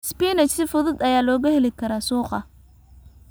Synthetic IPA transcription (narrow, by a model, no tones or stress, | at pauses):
spiːnɐt͡ʃsɪfʊðʊd̪ɐjaːlɔːɣɐhɛlɪkʰɐɾaːsuːqɑ